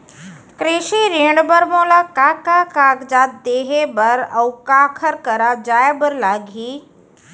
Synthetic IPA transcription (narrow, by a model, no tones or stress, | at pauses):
kɾeʃiɾiɳɖbəɾmoːlakakakaːɡd͡ʒaːt̪̚d̪eːɦebəɾɐwkaːkʰəɾkəɾad͡ʒaːebəɾlaːɡʱiː